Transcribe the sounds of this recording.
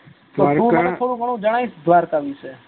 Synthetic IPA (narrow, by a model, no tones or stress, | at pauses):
t̪oɾũənetʰoːɽũbʱəɳ̃ũd͡ʒəɽ̃ajsd̪ʱʋaɾkaʋit͡ʃʰe